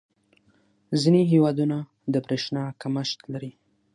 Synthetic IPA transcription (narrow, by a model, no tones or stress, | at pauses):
zineɦewɑd̪una | d̪əpɾeʃnɑkaməʃt̪laɾi